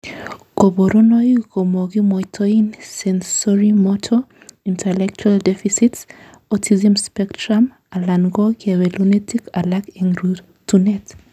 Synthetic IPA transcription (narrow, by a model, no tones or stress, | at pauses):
koboɾonɔjkomoɡimɔjtʰɔinsɛnsɔɹimɔtʰɔ | ĩntʰɛlɛk̚t͡ʃualdɛfisits | ɔtʰizamspɛktɹam | alanɡɔkawɛlunɛtikalakɛŋɾu | tunɛt